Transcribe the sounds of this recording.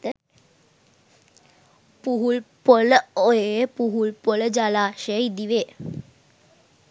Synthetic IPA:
puɦulpɔloepuɦulpɔld͡ʑalaɕejd̪iʋe

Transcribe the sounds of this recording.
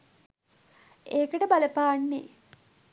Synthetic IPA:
eːkəʈəbaləpaːnːḛ

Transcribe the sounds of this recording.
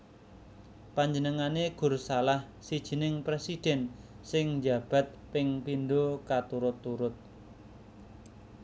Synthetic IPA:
paɲd͡ʒənəŋaneɡ̥ʊ̤rsalah | sid̥ʒ̥i̤nɪŋpɾesid̥ɛ̤n | sɪŋɲd͡ʒab̥a̤t̪̚pɪŋpindokat̪uɾʊt̪ːuɾʊt̪̚

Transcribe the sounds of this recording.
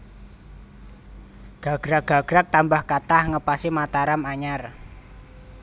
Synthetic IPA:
ɡ̥a̤ɡ̥ɾaɡ̥a̤ɡ̥ɾak̚t̪ambahkat̪ahŋəpasimat̪aɾamaɲar

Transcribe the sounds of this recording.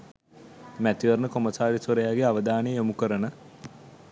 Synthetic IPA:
mæt̪iʋəɾnəkoməsaːɾisoɾəjaːɡeaʋəd̪aːnejjomukəɾənə

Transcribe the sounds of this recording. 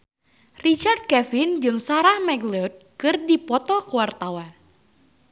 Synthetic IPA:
rit͡ʃard̪̚kɛfɪnd͡ʒɨŋsaɾahmɛɡlɛt̪̚kɨrdipɔt̪ɔkuwart̪awan

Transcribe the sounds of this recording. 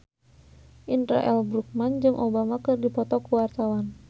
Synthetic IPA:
ʔinɾa̰ʔɛlbɾuk̚mand͡ʒɨŋʔobamakɨrdipɔt̪ɔkuwart̪awan

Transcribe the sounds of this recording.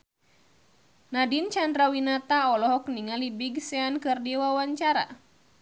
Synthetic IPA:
nadint͡ʃandɾawinat̪aɔlɔɦɔkniŋalibiɡsɛankɨrdiwawaɲt͡ʃaɾa̰

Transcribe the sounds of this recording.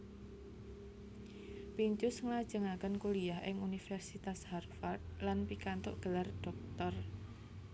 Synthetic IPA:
piɲt͡ʃʊsŋlad̥ʒ̥əŋakənkuliaɦʔɪŋunifɛrsit̪asharfard̪̚lanpikant̪ʊ̰ʔɡ̥ə̤lard̥ɔk̚t̪ɔr

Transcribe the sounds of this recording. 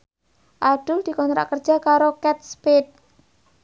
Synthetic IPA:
ʔad̥ʊld̪̥i̤kɔnt̪ɾa̰ʔkərd͡ʒakaɾokɛt̪̚spit̪̚

